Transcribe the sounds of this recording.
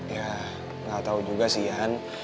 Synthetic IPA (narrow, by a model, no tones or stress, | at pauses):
ja | ŋɡat̪aud͡ʒuɡasijan